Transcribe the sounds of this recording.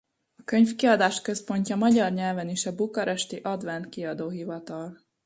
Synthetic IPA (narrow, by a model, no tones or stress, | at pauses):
ɒkø̞ɲfkiɒd̪aːʃkø̞spo̞ɲcɒmɒɟɒrɲɛlvɛniʃɒbukɒɾɛʃt̪iʔɒd̪vɛnt̪kiɒd̪oːɦivɒt̪ɒl